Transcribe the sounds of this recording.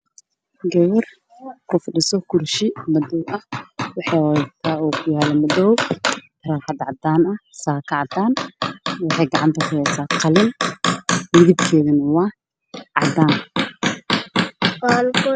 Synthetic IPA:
ɡɛβɐr | kʰʊfɪɗɪsɔkʰʊrʃɪmɐd̪ɔwʔɐhwɑħɑwɔt̪ʰaːɔːkʰʊjaːlɛmɐd̪ɔwt̪ʰɐɾaːħɑd̪ʕɑd̪aːnɐsaːkʰɐʕɑd̪aːnwɑħɑjɡɑʕɑnt̪ʰɐkʰʊhɛsaːqʰɐlɪn | mɪɣɪd̪kʰɛːðɐnɐwaː | ʕɑd̪aːn | alkɔ

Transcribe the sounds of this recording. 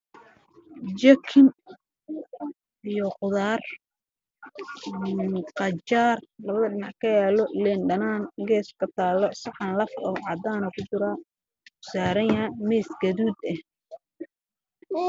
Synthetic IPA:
d͡ʒɐkʰɪm | ijɔqʊðaːr | nqɑt͡ʃaːrlɐβɐðɐɖɪnɑʕkʰɐjaːlɔlɛnɖɐnaːnɡɛːskʰɐt̪ʰaːlːɔsɑħɑnlɐfɔːʕɑd̪aːnʊkʰʊt͡ʃʊɾa | kʊ̥saːɾɐjɐmɛjsɡɐðuːd̪ɛh

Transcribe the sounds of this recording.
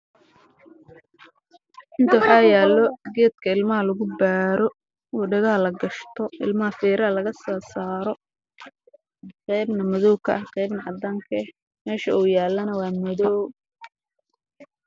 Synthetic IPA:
ʔɪnt̪ʰɐwħɑjaːlːɔɡɛːd̪̚kʰɐɪlmɐɦɐlɐɣʊbaːɾɔ | wɔɖɐɣɐɐlɐɡɐʃt̪ʰɔʔɪ̰lmɐɦɐfɛːɾɐhɐlɐɣɐsɐsaːɾɔ | qɛjbnɐmɐðɔwkʰɐ̰ʔɐhqɛjbnɐʕɑd̪aːŋkʰɐ | mɛːʃɐuːjaːlːɐnɐwɑːmɐðɔw

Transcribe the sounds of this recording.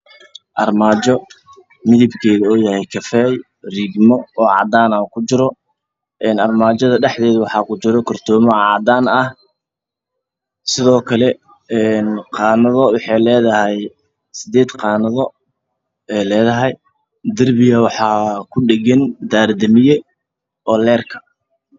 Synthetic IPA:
ʔɐrmaːt͡ʃɔ | mɪðɪbkʰɛːðɐɔːjɐhɛjkʰɐfɛːj | riɡmɔɔːʕɑ̰d̪aːnakʰʊt͡ʃɪɾɔ | ʔɛːnɐrmaːt͡ʃɔðɐɖɛħd̪ɛːðɐwɑħɑːkʊt͡ʃɪɾɔkʰɔrt̪ʰɔːmɔʕɑːd̪aːnɐh | sɪðɔːkʰɐlɛ | ɛnqɑːnɐðɔwɑħɑjlɛːðɐɦɛj | sɪd̪ɛːd̪qɑːnɐðɔ | ɛlɛːðɐɦɛj | d̪ɐrbɪjɐwɑħɑːkʰʊɖɛɡɛnd̪aːɾd̪ɐmɪjɛ | ɔːlɛːrkʰɐ̥

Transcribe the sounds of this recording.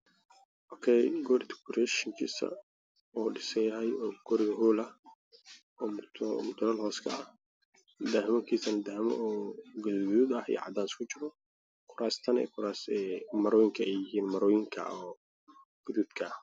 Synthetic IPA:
ʔɔkʰɛjɡɔːɾɪt̪ʰɪ̥kʊɾɛʃɪŋkʰḭːsɐ̰ | ɔːɖɪsɛjɐɦɛjɔːɡ̥ɔɾɪɣɐɦuːlɐh | ɔːmt̪ʰmʊt̪ʰʊlɐlɦɔːskʰɐ̰ɐh | d̪ahɪmɐkʰiːsɐnɐd̪ahmɐ̰ʔɔːɡʊðɡuːd̪ɐhḭʕɑ̰d̪aːskʰʊt͡ʃɪɾɔ | kʰʊɾaːst̪ʰɐnɛ̰kʰʊɾaːsɛmɐɾɔːjɪŋkʰɐɛjɪɦiːnmɐɾɔːjɪŋkʰɐ̰ɔː | ɡ̥ʊðuːd̪kʰɐ

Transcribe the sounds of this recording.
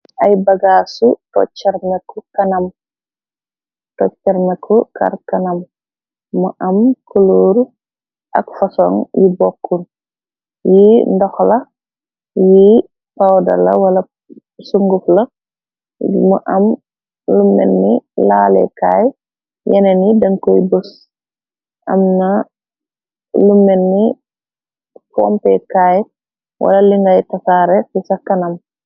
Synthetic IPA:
ʔajbɐɡasutɔ̰t͡ʃːɛɾmɛkukɐnɐm | tɔt͡ʃːɛɾmekʰuka̰ɾkanamː | uʔɐmkuloɾu | ʔa̰kfasɔŋjibɔkːun | jindɔxlɐ | ji | pawdɐ̰lɐ̰wɐlɐ | suŋɡuflɐ | mṵʔɐm | lumːɛ̰nːilaːlɛ̰kaːj | jɛnɛnidɐŋkɔjbus | ʔɐ̰mnɐ | lumːɛnːi | pɔ̰mpɛkaːj | wʔɐ̰lɐliŋɡajtɐsaːɾɛfisɐkːɐnɐm

